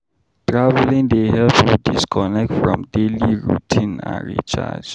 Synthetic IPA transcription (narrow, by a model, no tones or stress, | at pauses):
tɹavɛlĩŋdeɦɛpudiskʰɔnɛk̚tfɹɔ̰̃mdeliɹutʰĩnã̰nɹḭt͡ʃa̰d͡ʒ